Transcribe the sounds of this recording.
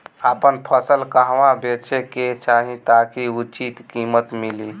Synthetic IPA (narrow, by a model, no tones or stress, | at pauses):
apənpʰəsəlkəɦʋabet͡ʃeket͡ʃaɦit̪akiut͡ʃit̪kimət̪mili